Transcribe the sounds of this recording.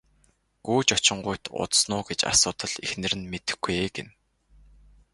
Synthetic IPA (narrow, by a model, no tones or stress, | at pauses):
ɡuːt͡ɕɔt͡ɕɪ̆ɴɢʊjʰt̪ʰʊ̰t̪snʊːɡet͡ɕa̰sʊːt̪ə̆ɮ̥exnɘ̆ɾɘ̆nmet̪ɘ̆xɡueɡḛn